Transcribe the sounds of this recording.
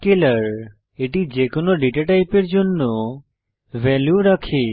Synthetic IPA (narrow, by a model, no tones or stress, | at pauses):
keləɾ | eʈid͡ʑekonoɖeʈaʈajpeɾd͡ʑonːo | bʱɛljuɾakʰe